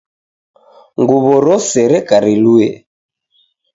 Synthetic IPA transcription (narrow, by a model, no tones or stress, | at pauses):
ŋɡuβɔɾɔsɛɾɛkaɾiluɛ